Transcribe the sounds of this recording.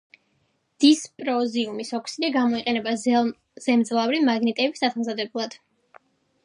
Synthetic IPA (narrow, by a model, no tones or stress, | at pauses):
d̪̥ispʼɾɔziumisɔkʰsid̪ɛɡamɔiqʼɛnɛba | z̥ɛmd̪zlˠavɾimaɡnit̪ʼɛbisasamzad̪ɛblˠad̪̥